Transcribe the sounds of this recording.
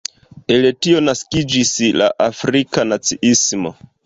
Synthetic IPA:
e̞letio̞naskid͡ʒisla̰ʔafɾikanat͡siʔismo̞̰

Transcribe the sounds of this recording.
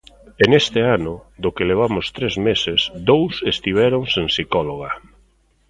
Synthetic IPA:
enest̪ɪanʊd̪ʊkeleβ̞amʊst̪ɾezmesesd̪owsest̪iβ̞ɛɾoŋseŋsikɔloɣ̞a

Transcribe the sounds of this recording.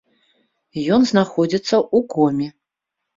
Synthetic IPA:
jɔnznaxɔd͡zʲit̪sːɐʔukɔmʲi

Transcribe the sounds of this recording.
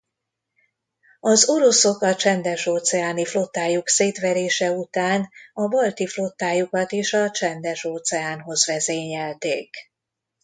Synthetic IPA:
ɒzo̞ɾo̞so̞kɒt͡ʃɛnd̪ɛʃoːt̪sɛaːniflo̞t̪ːaːjukseːt̪ʋɛɾeːʃɛut̪aːnɒbɒlt̪iflo̞t̪ːaːjukɒt̪eːʃɒt͡ʃɛnd̪ɛʃoːt̪sɛaːnɦo̞zʋɛzeːɲɛlt̪eːk

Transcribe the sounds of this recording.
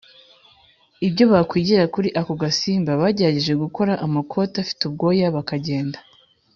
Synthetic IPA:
ibɟo̞βakwiːɟeɾakuɾiʔakoɡasiːmbaβaːɟeɾaɟeʒe̞ɡuko̞ɾaʔamakʰo̞tafi̥tub̚ɡo̞ːjaβakaɟe̞ːndḁ

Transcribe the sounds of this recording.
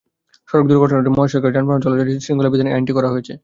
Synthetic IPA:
ʃɔɾok̚d̪uɾɡoʈʰoneimɔɦeʃɔked͡ʑanpanod͡ʑɔlod͡ʑaʈisɾiŋɡolabid̪ʱaneʔaɳʈikɔɾaɦoet͡ɕʰe

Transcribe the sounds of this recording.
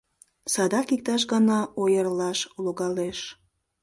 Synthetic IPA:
sɑd̪ɑkik̚t̪ɑʃ̬ɣɑnɑojərlɑʃloɣɑleʃ

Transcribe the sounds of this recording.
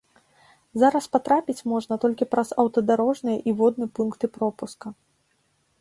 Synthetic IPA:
zaɾɐspat̪ɾapʲit͡sʲmɔʐnɐt̪ɔlʲkʲipɾɐzɐwt̪ɐd̪aɾɔʐnɨjɐʔivɔd̪̚nɨpunkt̪ɨpɾɔpuskɐ

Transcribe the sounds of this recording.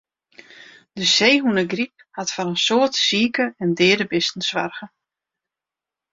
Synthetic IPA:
d̥əseːɦunəɡrip̚hatfɔɾənsoːtsiːkəɛndɪːdəbɪstn̩sʋarɣə

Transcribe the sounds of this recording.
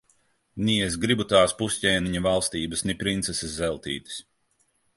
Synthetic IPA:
nʲies̬ɡɾibut̪aːspusʲcʲɛːniɲɐvalˠst̪iːbɐsnipɾint̪sɛseszɛlˠt̪ḭːt̪i̥s

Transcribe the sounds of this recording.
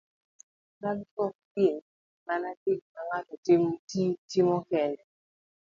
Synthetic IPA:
kaɡkɔk̚pen | manadɪk̚maŋatɔtɪmtitimɔkɛndɛ

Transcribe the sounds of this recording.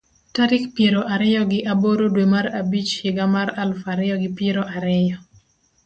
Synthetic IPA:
taɾɪkpjeɾoʔaɾɛjɔɡɪʔaboɾodwemaɾabit͡ʃhɪɡamaɾalfaɾɛjɔɡɪpeɾoʔaɾɛjɔ

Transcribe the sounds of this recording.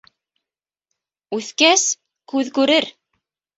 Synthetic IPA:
ʉθkæs | kʉðkʉɾɘɾ

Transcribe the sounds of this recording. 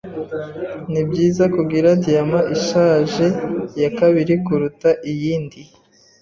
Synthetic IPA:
nibɟiːzakuɡiɾadiamaʔiʃaːʒe̞jakaβiɾikuɾutaʔijiːndi

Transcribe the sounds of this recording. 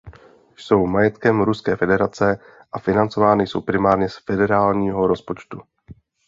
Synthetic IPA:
jso̞wmajɛt̪kɛmɾuskɛːfɛdɛɾat͡sɛ | ʔafɪnant͡so̞vaːnɪjso̞wpɾɪmaːɾɲɛsfɛdɛɾaːlɲiːɦoɾo̞spo̞t͡ʃt̪u

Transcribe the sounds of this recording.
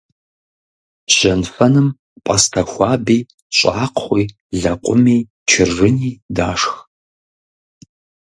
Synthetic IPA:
ʒ̥ɐnfɐnɨm | pʼɐstʰɐxʷɑːbiː | ɕʼaːqχʷiː | ɮɐqʷʼʊmiː | t͡ʃʰɪrːɨniːdaːʂx

